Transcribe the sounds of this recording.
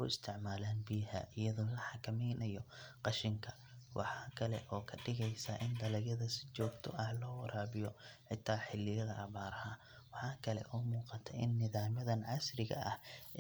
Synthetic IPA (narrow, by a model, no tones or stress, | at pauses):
kʊɪst̪ʰɪʕmaːlaːnbiɦa̰ʔɪjɐðɔːlɐħɑkʰɐmɛjnɐjɔqɑʃɪŋkʰɐ | wɑ̰ħɑːkʰɐlɛ̰ʔɔːkʰɐɖɪɣɛjsɐʔɪnd̪ɐlɐjɐðɐsɪ̥t͡ʃɔːɡt̪ʰɔʔɐhlɔːwɐɾʔaːβɪjɔħɪt̪ʰːaːħɪlːɪjɐðɐʔːβaːɾɐhɐ | wɑħɑːkʰɐlɛ̰ʔɔmuːqɑt̪ʰɐʔɪnːɪðaːmɐðɐnʕɑsrɪɣɐ̰ʔɐ̰h